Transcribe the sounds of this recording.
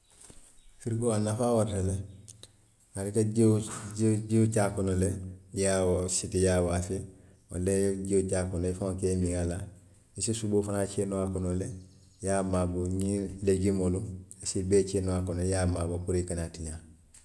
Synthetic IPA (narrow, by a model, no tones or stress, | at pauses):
fiɾikoanafaːwaɾtale | alika | ɟiut͡ʃaːkɔnɔlejawsitijaːwaːfe | wa̰leɟiut͡ʃaːkɔnoifaŋkɛmĩŋala | isisuboːfanaːt͡ʃenowakɔnole | jaːmaːboɲĩleɡimoluisibɛːt͡ʃenɔwakɔnɔjaːmaːbokuɾikanatiɲã